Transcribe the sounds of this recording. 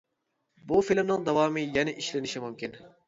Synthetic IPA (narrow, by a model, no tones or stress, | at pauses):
bufilmnɪŋd̪ɑwɑːmɨjɛnɪʔiʃlɪnɪʃimumkʲʰin